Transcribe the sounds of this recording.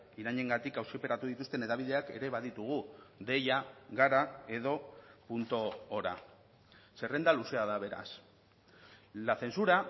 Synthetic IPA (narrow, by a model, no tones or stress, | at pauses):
iɾaɲe̞ŋɡat̪ikawsipe̞ɾat̪uðit̪ust̪e̞ne̞ðaβ̞iðe̞ake̞̰ɾe̞βað̞it̪uɣ̞ud̪e̞jaɣaɾae̞ð̞o̞punt̪o̞ːɾa̰ | se̞re̞nd̪aluse̞að̞aβe̞ɾa̰s | laθe̞nsuɾa